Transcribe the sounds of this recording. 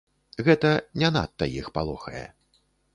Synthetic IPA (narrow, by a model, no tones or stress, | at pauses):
ɣɛt̪ɐnʲana̰t̪ːɐjixpalˠɔxɐjɛ̰